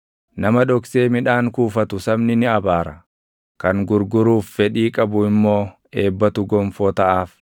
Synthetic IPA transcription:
nɐmɐᶑɔkse̞ːmɪᶑaːŋkuːfɐt̪ʊsɐbnɪnɪɐbaːɾɐ | kɐŋɡʊɾɡʊɾuːfːɛᶑiːkʼɐbʊɪmːo̞ː | e̞ːbːɐt̪ʊɡɔmfɔːt̪ɐʔaːf

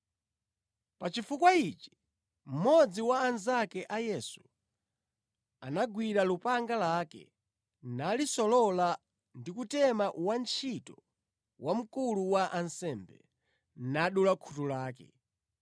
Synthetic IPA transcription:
pat͡ʃifukwait͡ʃi̥ | m̩mɔd͡ziwaːnzakɛʔajɛsu̥ | a̰naɡwiɾalupaŋɡalakɛ̰ | nalisɔlɔla | ndikutɛmawant͡ʃʰitɔ | wʔam̩kuluwaʔansɛmbɛ̰ | naɗulakʰutulaːkɛ̰

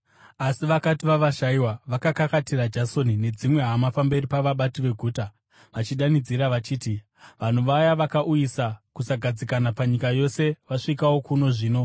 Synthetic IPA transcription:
asiʋakatiʋaʋaʃaiwaʋakakakatirad͡ʒaso̞nine̞d͡zimwe̞ɦamapambe̞ripaʋaɓatiʋe̞ɡʱuːta | ʋat͡ʃiɗanid͡ziɾaʋat͡ʃiːti | ʋan̤uʋajaʋakaʔujisakusaɡʱad͡zikanapaɲikajo̞se̞ʋaʂikawo̞kuno̞ʐiːno̞

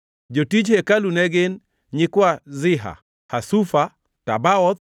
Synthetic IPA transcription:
d͡ʒotid͡ʒhekalunɛɡɪn | ɲɪkwazɪɦa̰ | hasufa | ta̰baɔt̪

